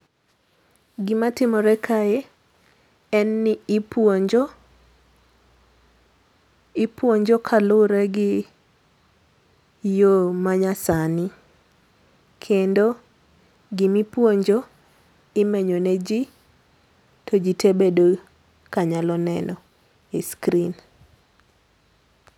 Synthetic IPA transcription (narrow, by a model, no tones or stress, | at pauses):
ɡɪmatɪmɔɾɛkʰae | ɛnːɪpwoɲd͡ʒo | ɪpwoɲd͡ʒokʰalʊɾɛɡɪ | jomaɲasanɪ | kʰendo | ɡɪmipwoɲd͡ʒo | ɪmeɲonɛd͡ʒi | tʰod͡ʒitebedo | kaɲalɔnɛnɔ | eskɾin